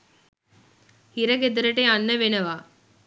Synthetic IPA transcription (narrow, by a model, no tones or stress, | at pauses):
hiɾɐɡed̪ɐɾəʈeanːəʋenɐʋaː